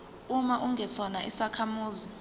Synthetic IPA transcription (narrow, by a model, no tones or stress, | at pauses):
umaʔuŋʱɛt͡sʰɔnaisakʰamuːzi